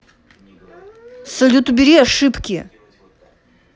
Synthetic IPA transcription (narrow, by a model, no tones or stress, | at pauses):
sɐlʲut̪ubʲiɾʲiaʂɨpkʲi